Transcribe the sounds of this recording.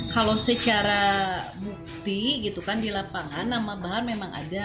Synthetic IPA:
kalosət͡ʃaɾabuk̚t̪iɡit̪ukandilapaŋanːamabaɦarmemaŋa̰da

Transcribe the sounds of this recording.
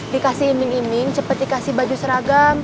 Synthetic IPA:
dikasɪhinɪŋinɪŋt͡ʃəpət̪̚dikasɪhbad͡ʒusəɾaɡam

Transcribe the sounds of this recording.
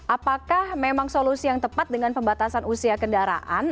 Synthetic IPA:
ʔapakahmemaŋsolusijaŋt̪əpat̪̚dəŋanpəmbat̪asanʔusiakəndaɾa̰ʔa̰n

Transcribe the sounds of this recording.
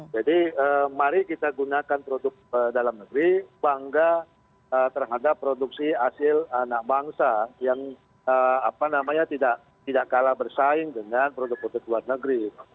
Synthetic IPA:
d͡ʒadiəmaɾikit̪aɡunakanpɾodʊk̚ədalamnəɡɾibaŋɡa | ət̪ərɦadapːɾoduksiasɪlanaʔbaŋsajaŋ | əapanamaɲat̪idaʔ | t̪idaʔkalabərsaɪŋdəŋanpɾodʊk̚poduk̚luarnəɡɾit̪a

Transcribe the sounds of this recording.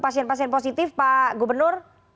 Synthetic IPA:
pasiɛnpasiɛnposit̪ɪfpaɡubərnʊr

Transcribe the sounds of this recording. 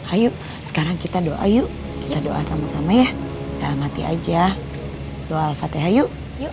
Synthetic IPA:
haju | sə̥kaɾaŋkit̪adoʔa̰juʔ | kit̪adoʔa̰samasamaja | dalamɦat̪ia̰d͡ʒa | t̪oalfat̪ɛɦaju

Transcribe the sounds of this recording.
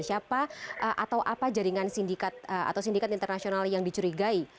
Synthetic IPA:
siapaʔəʔa̰t̪awʔapad͡ʒaɾiŋansindikat̪̚əa̰t̪awsindikat̪int̪ərnasionaljaŋdit͡ʃuɾiɡai

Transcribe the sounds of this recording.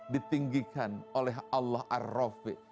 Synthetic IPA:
dit̪iŋɡikanolɛɦalːahʔa̰rofɪ̰ʔ

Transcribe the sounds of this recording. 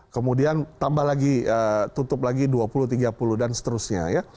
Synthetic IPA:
kəmudiant̪ambahlaɡiət̪ut̪ʊplaɡiduapuluht̪iɡapuluhdansə̥t̪əɾʊsɲa̰ja

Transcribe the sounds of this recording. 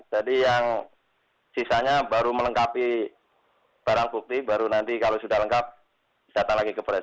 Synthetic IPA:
d͡ʒadijaŋ | sisaɲabaɾumələŋkapi | b̥aɾaŋbuk̚t̪ibaɾunant̪ikalosudahləŋkap̚ | d̥at̪aŋlaɡikəpɾɛs

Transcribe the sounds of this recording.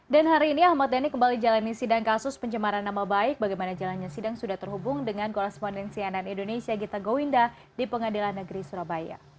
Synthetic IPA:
danɦaɾiːniahmat̪̚danikəmbalid͡ʒalanːisidaŋkasʊspəɲt͡ʃəmaɾanːamabaɪk̚baɡajmanad͡ʒalanɲasidaŋsudaht̪ərɦubʊŋdəŋankoɾɛspɔndɛnsiananindonesiaɡit̪aɡowinda | dipəŋadilahnːəɡɾisuɾabaja̰

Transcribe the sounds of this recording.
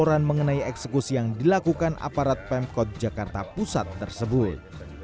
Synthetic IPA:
oɾanməŋənaiɛksəkusijaŋdilakukanʔa̰paɾat̪̚pɛm̚kɔt̪̚d͡ʒakart̪apusat̪ːərsəbʊt̪̚

